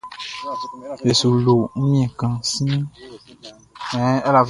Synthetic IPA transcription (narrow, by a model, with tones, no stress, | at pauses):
e˨su˨lo˨ŋ̩˦mĩ˦ɛ̃˨kã˨sĩ˦ | ɛ̃˦e˦la˨v